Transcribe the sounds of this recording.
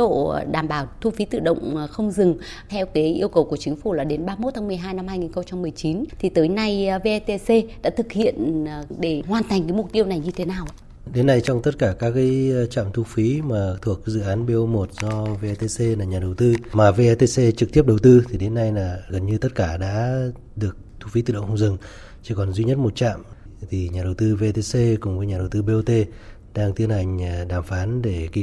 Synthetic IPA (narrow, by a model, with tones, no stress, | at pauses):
o̰˧˨ɗaː˨˩mɓaː˨˩wt̪ʰu˧fi˨˦t̪ɨ̰˧˨ɗə̰˧˨wŋ͡mxə˧wŋ͡mzɨ˨˩ŋ | t̪ʰɛ˧wkaː˨˦jʔi˧əwkə˨˩wku˧˩ət͡ɕï˨˦ŋ̟fu˧˩laː˨˩ɗe˨˦nɓaː˧mo˦˥t̪̚ʰa˨˦m˨˩əjɦaː˧jna˧mhaː˧jŋi˨˩nxə˧wŋ͡mt͡ɕa˧mːɨ˨˩əjt͡ɕi˨˦nt̪ʰi˨˩t̪əː˨˦jna˧jve˧ʔt̪e˧se˧ɗa̰ː˧˥t̪ʰɨ˨˩k̚hḭ˧˨ən˨˩ɗe˧˩ɦwaː˨˩nt̪a˨˩jŋ̟kaː˨˦mʊ˨˩t̚t̪i˧əwna˨˩jɲɨ˧t̪ʰe˨˦naː˨˩w | ɗe˨˦nːa˧jt͡ɕɔ˧wŋ͡mt̪ə˦˥t̚kaː˧˩kaː˦˥k̚kaː˨˦jt͡ɕa̰ː˧˨mt̪ʰu˧fi˨˦maː˨˩t̪ʰu˨˩ək̚zɨ̰˧˨ʔaː˨˦nɓe˧mo˨˩t̚zɔ˧ve˧t̪e˧se˧laː˨˩ɲaː˨˩ɗə˨˩wt̪ɨ˧maː˨˩ve˧ʔt̪e˧se˧t͡ɕɨ˨˩k̚t̪i˦˥əp̚ɗə˨˩wt̪ɨ˧t̪ʰi˨˩ɗe˨˦nːa˧jlaː˨˩ɣə˨˩nɲɨ˧t̪ə˦˥t̚kaː˧˩ɗa̰ː˧˥ | ɗɨ˨˩ək̚t̪ʰu˧fi˨˦t̪ɨ̰˧˨ɗə̰˧˨wŋ͡mxə˧wŋ͡mzɨ˨˩ŋ | t͡ɕi˧˩kɔ˨˩nzwi˧ɲə˦˥t̚mo˨˩t̚t͡ɕa̰ː˧˨m | t̪ʰi˨˩ɲaː˨˩ɗə˨˩wt̪ɨ˧ve˧t̪e˧se˧kʊ˨˩ŋ͡mvəː˨˦jɲaː˨˩ə˨˩wt̪ɨ˧ɓe˧o˧t̪e˧ | ɗaː˧ŋt̪i˧ənha˨˩jŋ̟˩ɗaː˨˧˩mfaː˨˦nɗe˧˩ki˧